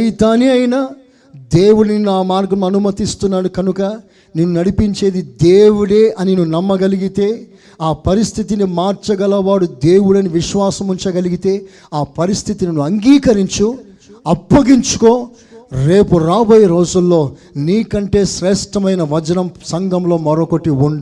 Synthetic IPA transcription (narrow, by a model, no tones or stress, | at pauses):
it̪aːniɐjnaː | d̪e̞ːwuɽɐninːuaːmaːɾɡɐmnuɐnumɐt̪ist̪unːaːɽukɐnukɐ | neːnːunɐɽipiɲt͡ʃe̞ːd̪id̪eːwuɽe̞ːʔɐninunɐmːɐɡɐliɡit̪e̞ː | aːpɐɾist̪ʰit̪inimaːɾt͡ʃɐɡɐlɐʋaːɽud̪eːwuɽɐniʋiʃʋaːsɐmuɲt͡ʃɐɡɐliɡit̪e̞ː | aːpɐɾist̪ʰit̪ininuɐŋɡiːkɐɾiɲt͡ʃu | ɐpːɐɡiɲt͡ʃu̥ko̞ː | ɾe̞ːpuɾaːboːjɐɾo̞ːd͡ʒulːo̞ː | niːkɐɳʈe̞ːʃɾɛːʂʈɐmɐjnɐʋɐd͡ʒɐnɐmsɐŋɡɐmlo̞ːmɐɾokoʈːiuɳɖ